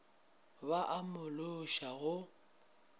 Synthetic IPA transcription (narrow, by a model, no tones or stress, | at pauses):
baʔamʊlʊʃaɣʊ